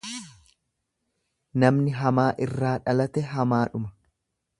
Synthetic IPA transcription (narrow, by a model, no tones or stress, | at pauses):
nɐmnɪɦɐmaːʔɪrːaːᶑɐlɐt̪ɛɦɐmaːᶑʊmɐ̥